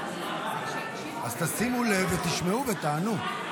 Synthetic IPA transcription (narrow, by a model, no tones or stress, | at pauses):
azt̪asimulevet̪iʃmeuvet̪aːnu